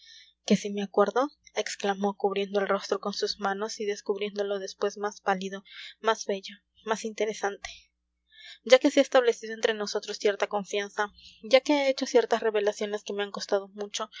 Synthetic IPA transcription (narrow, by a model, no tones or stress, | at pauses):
ke̞simeakwe̞ɾðo̞e̞ksklamo̞kuβɾje̞nd̪oelro̞st̪ɾo̞ko̞nsuzmano̞siðe̞skuβɾje̞nd̪o̞lo̞ðe̞spwe̞smazpaliðo̞mazβe̞ʝo̞ | masint̪e̞ɾe̞sant̪e̥ | d͡ʒake̞seest̪aβle̞siðoent̪ɾeno̞so̞t̪ɾo̞sːje̞ɾt̪ako̞ɱfjansaɟ͡ʝake̞eet͡ʃo̞sje̞ɾt̪asreβe̞lasjo̞ne̞ske̞meaŋko̞st̪aðo̞mut͡ʃo̞